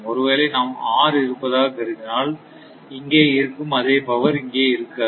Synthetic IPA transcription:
ɔɾɯʋeːlɐɪnaːmaːɾɪɾɯpːɐðaːɣɐkɛɾɯɣɪnaːl | ɪŋɡeːɪɾɯkːɯmɐðeːpɐʋɐɾɪŋɡeːɪɾɯkːɐː

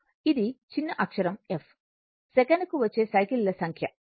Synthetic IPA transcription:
id̪it͡ʃinːɐʔɐkʂɐɾɐmef | sɛkɐnɐkuʋɐt͡ʃːe̞ːsɐjkillɐsɐŋkʰjɐ

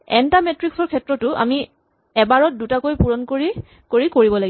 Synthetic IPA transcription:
ɛ̰ntametɹiksɔɹkʰɛtɹɔtʊʔa̰mi | ɛbaɹɔt̚dutakojpuɹɔnkoɹi | koɹikoɹibɔlaɡi

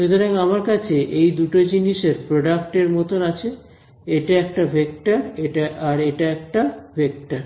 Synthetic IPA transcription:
ʃet̪oɾaŋamaɾkat͡ɕʰeʔejd̪uʈod͡ʑiniʃeɾpɾoɖak̚ʈeɾmɔt̪onat͡ɕʰe | eʈaɛk̚ʈabʱek̚ʈaɾeʈaaɾeʈaɛk̚ʈabʱek̚ʈaɾ

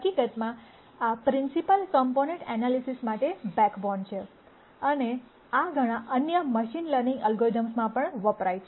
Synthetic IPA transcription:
ɦəkikət̪mã | apɾɪ̃nsipəlkəmponẽɳʈɛnalisismaʈebɛkbɔɳɖt͡ʃʰe | əne | aɡʱəɽ̃ãʔənjəməʃinləɾnĩŋɡəlɡoid̪əmsmãpəɳʋəpɾajt͡ʃʰe

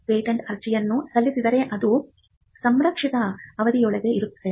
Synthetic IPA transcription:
peːʈɐɳɖɐɾt͡ʃijɐnːusɐlːisid̪ɐɾe̞ʔɐd̪u | sɐmɾɐkʂit̪ɐːʋɐd̪ijɔɭɛɡe̞iɾut̪ːɐd̪e̞

